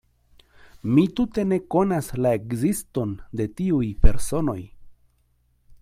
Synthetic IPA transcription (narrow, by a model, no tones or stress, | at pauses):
mit̪ut̪e̞ne̞konaslaekzist̪o̞nd̪e̞t̪iujpe̞ɾso̞no̞j